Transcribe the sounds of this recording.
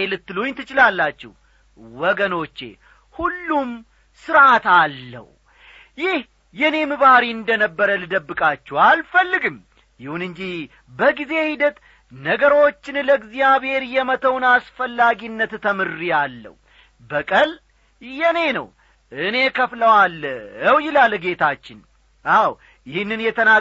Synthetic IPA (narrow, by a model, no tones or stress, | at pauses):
elɨt̪ːɨluɲt̪ɨt͡ʃɪlalːat͡ʃːɛ̰h | wɔɡəno̞t͡ʃːe̞̰ | hulːum | sɨɾat̪alːə̰h | jɪh | jɛne̞mɨβaɾiɨnd̪ənəbːəɾəlɨd̪əbːɨkʼat͡ʃːɛwalfəlːɨɡɨm | jɪhunɨɲd͡ʒi | bəɡize̞hid̪ət̪ | nəɡəɾo̞t͡ʃːɪnləɡzijaβhe̞ɾjɛmət̪ʰəwnasfəlːaɡinːət̪t̪ʰːəmɨrːijalːə̰w | bəkʼəl | jɛne̞nə̰w | ʔɨne̞kʰəfləwaləwjɪlalɡe̞t̪ʰat͡ʃːɪn | ʔaw | jɪhɨnːɨnjɛt̪ʰəna